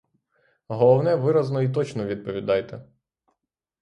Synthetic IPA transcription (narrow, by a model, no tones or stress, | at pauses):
ɦɔlˠɔwnɛʋɪɾɐznɔit̪̬ɔt͡ʃnɔʋʲid̪̚pɔʋʲid̪ɑjt̪ɛ